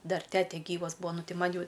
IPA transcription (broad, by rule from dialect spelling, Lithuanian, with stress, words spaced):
ˈdɐr ˈtʲæːtʲɛ ˈɡʲiːʋɐs ˈbuːɐ ˈnʊ ˈtʲɪ ˈmɐnʲ ˈjɛʊ